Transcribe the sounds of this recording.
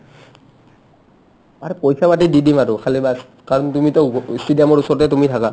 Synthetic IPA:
aɹɛpojsabatididimaɹʊkʰalibas | kaɹɔntumitɔsidijamɔɹusɔɹtɛtumitʰaka

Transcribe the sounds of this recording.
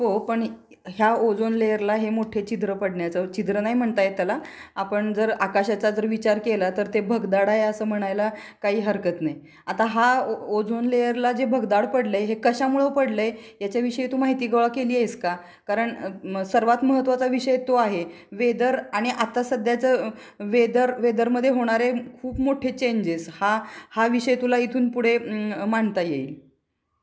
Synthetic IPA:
ɦopəɳ | ɦjaod͡zonlejəɾlaɦemoʈʰet͡ɕid̪ɾəpəɽɳjat͡sət͡ɕid̪ɾənaɦim̤əɳt̪ajet̪jalaapəɳd͡zəɾakaɕat͡sad͡zəɾʋit͡ɕaɾkelat̪əɾt̪ebʱəɡd̪aɽaɦeəsəːm̤əɽ̃ajla | kaɦiːɦəɾkət̪naj | at̪aɦaod͡zonlejəɾlad͡zebʱəɡd̪aɽpəɽləjɦekəɕamuɭəʋpəɽləjjat͡ɕjaʋiʂəjit̪ʰuːmaɦit̪iːɡəʋɭakeliːeska | kaɾəɳsəɾʋat̪məɦət̪ːʋat͡saʋiʂəjet̪oaɦe | ʋed̪əɾaɽ̃iʔat̪asəd̪jat͡sə | ʋed̪əɾʋed̪əɾməd̪ʱjeɦoɽ̃aɾekʰuːpmoʈʰet͡ɕeɲd͡ʑeshahaʋiʂəjet̪ulait̪ʰuːnpuɽ̤emaɳt̪ajei

